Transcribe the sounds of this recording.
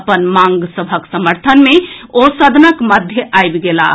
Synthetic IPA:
pənmaŋɡsəbʱəksəməɾt̪ʰənmeosəd̪ʱnəkməd̪ʱjəʔajbɡela̰

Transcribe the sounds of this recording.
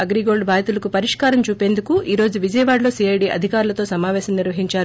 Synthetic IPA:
ɐɡɾiɡo̞ːɭɖbʱaːɾit̪ulɐkupɐɾiʂkaːɾɐmt͡ʃuːpeːnd̪ukuʔiːɾo̞ːd͡ʒuʋid͡ʒɐjɐʋaːɽlo̞ːsiɐjɖiʔɐ̰d̪ʱikaːɾulɐt̪o̞ːsɐmaːʋɛːʃɐmniɾʋɐɦiɲt͡ʃaːɾu

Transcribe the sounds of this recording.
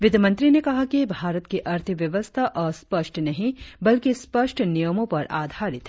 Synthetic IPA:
ʋɪd̪mɐ̃nt̪ɾinekɐɦakibʱaːɾət̪kiʔɐɾt̪ʰəʋjɐʋəst̪ʰaʔɔːɾspɐʃʈʰnɐɦĩbɐlkispɐʃʈʰnijəmõpɐɾaːd̪ʱaːɾɪt̪ɦɛ

